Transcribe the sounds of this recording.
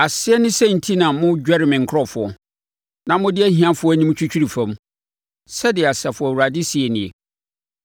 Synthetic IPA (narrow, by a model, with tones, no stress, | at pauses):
a˨sɪ˦ɛ˦nɪ̃˦sɛ̃˦˨n̩˨tʰi˦nã˨˦mʊ̃˦d͡ʑᶣɛ˦ɾɪ˨mɪ̃˨ŋ̩˨kʰɾɔ˦fʊ˨ɔ˨ | nã˦mʊ̃˦dɪ˦ɛ˦ɦĩ˨ã˦fʊ˦ɔ˦æ˦nĩ˦m˦t͡ɕᶣu˦t͡ɕᶣi˦ɾi˨fã˨m | sɛ˦dɪ˨a˨sɛ˨fʊ˨wu˨ɾa˨dɪ˦si˨ɛ˨nɪ̃˨ḛ˨